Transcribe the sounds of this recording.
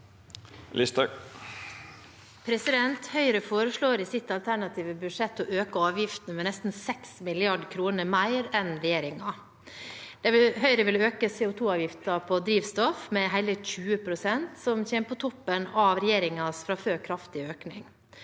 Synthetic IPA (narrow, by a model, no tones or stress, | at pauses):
lɪst̪ɑ | pʰɾɛsɪd̪ɛnt̪hœʏɾəfoːɾəʂɭoːɾɪsɪt̪ɑlt̪ʰæɳɑt̪ʰiːʋəbʉʂɛt̪ːɔʔøːkəɑːʋjɪft̪nəmɛnɛst̪n̩sɛksmɪlɪɑɖkʰɾuːnəmæɪɾɛnɾɛjeːɾɪŋɑ | d̪̥ɛhœʏɾəʋɪløːkəseːʊt̪ʰuːɑːʋjɪft̪ɑpʰɔd̪ɾiːʋst̪ɔfmɛɦæɪləçʉːəpʰɾʊsɛnt̪sɔmçeːmpʰɔt̪ʰɔpːənɑʋɾɛjeːɾɪŋɑsfɾɑføːɾkʰɾɑft̪ɪøːknɪŋ